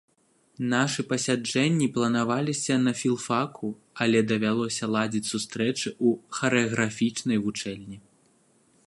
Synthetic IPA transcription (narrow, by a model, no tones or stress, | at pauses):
naʂɨpɐsʲad͡ʐɛnʲːiplˠɐnavalʲisʲɐnɐfʲilˠfakʰu | ɐlʲɛd̪ɐvʲalˠɔsʲɐlˠad͡zʲit͡sʲsust̪ɾɛt͡ʂɨuxɐɾɨɐɣɾafʲit͡ʂnɐjvut͡ʂɛlʲnʲi